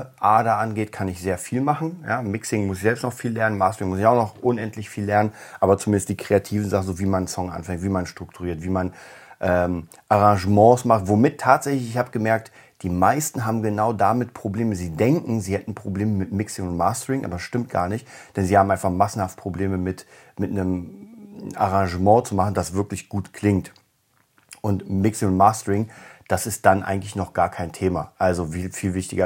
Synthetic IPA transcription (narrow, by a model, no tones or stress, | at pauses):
ʔaːɐdaʔanɡeːtkʰanɪçz̥eːɐfiːlmaχn̩jaːmɪksɪŋmʊsɪçzɛlpstnɔχfiːlɛɐnənmaːstəʁɪŋmʊsɪçaʊxnɔχʔʊnɛntlɪçfiːlɛɐnənʔaːbɐt͡sumɪndəstd̥iːkʁ̥eatʰiːvn̩zaχn̩zoːviːmansɔŋʔa̰nfɛŋktv̥iːmanʃtʁ̥ʊk̚tʰuʁiːɐtv̥iːmanʔɛːm | ʔaʁãŋʒəmɑ̃ːsmaχtv̥omɪtʰːaːtz̥ɛçlɪçɪçhaːbəɡ̥əmɛɐk̚t | d̥iːmaɪstn̩ɦaːbm̩ɡənaʊdamɪtpʁ̥obleːməziːdɛŋkŋ̩ziːhɛtn̩pʁ̥obleːməmɪtmɪksɪŋʊnmaːstəʁɪŋʔa̰ːbɐsʃtɪmt̚ɡ̥a̰ːɐnɪçtd̥ɛnziːhaːmʔaɪnfaχmasn̩haft̚pʁ̥obleːməmɪt | mɪtnəm | ʔa̰ʁãŋʒəmɑ̃ːt͡sumaχn̩d̥asv̥ɪɐklɪçɡ̥uːtkʰl̥ɪŋt | ʔʊntmɪksɪʊntmaːstəʁɪŋd̥asɪst̚d̥anʔa̰ɪɡŋ̩tlɪçnɔχɡ̥aːɐkʰaɪntʰeːmaʔalzoviːlfiːlvɪçtɪɡɐ